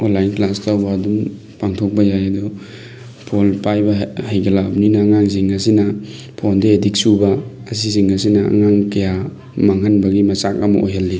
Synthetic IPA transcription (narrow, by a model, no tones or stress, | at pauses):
onlːajnklastɐwadum | paŋtʰok̚bɐjajɐdɔ | pʰolpajbɐhajɡɐlabninɐːŋaŋziŋɐsinɐ | pʰondeedik̚subɐː | s̬iziŋɐs̬inɐɐ̰ŋaŋkɐja | maŋɐnbɐɡimɐsak̚ɐmɐ̰ʔo̰jɦɐlːi